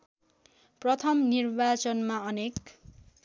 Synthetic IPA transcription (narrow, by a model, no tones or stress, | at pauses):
prʌt̪ʰʌmnirbat͡sʌnmaʌnek